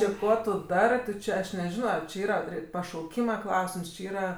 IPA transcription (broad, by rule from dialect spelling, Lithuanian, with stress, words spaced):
ˈt͡ʃʲɪ ˈkuɔ tʊ ˈdɑːrɜ tʊ ˈt͡ʃʲɛ ˈɐʃ nʲɛˈʒʲɪnoː t͡ʃʲɪ ˈiːrɐ ˈpʲrʲɪ pɐʃɐʊˈkʲiːmɐ ˈklˠɐʊsʲɪms t͡ʃʲɪ ˈiːrɐ